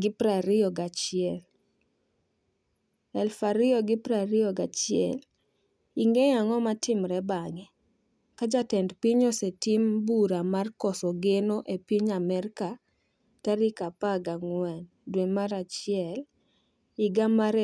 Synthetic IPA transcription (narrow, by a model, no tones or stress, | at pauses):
ɡɪpɾaɾɪɔɡat͡ʃɪɛl | ɛlfaɾɪɔɡɪpɾaɾɪɔɡat͡ʃɪɛ̰l | iŋɡejaŋɔmatɪmɾɛbaŋɛ | kad͡ʒatɛndpiɲɔsetimbuɾamarkɔsɔɡenoʔepiɲamɛrka | taɾikapaɡaŋwɛn | dwemaɾat͡ʃɪɛl | ɪɡamaɾe